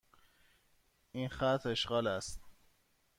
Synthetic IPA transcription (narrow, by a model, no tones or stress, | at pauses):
ʔinxæt̪ʰɾe̞ʃɢɒːlæst̪